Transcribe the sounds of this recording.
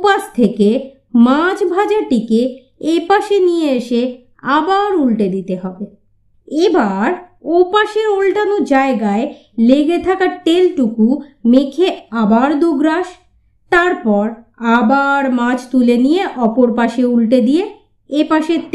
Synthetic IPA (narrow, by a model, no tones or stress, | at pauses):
opast̪ʰeke | mad͡ʑʰbʱad͡ʑaʈike | epaʃenijeeʃe | abaɾulʈed̪it̪eɦɔbe | ebaɾopaʃeɾolʈanod͡ʑaeɡae | leɡet̪ʰakaʈelʈukumekʰeabaɾd̪uɡɾaʃ | t̪aɾpɔɾabaɾmãd͡ʑʰt̪ulenijeʔɔpoɾpaʃeulʈed̪ije | epaʃet̪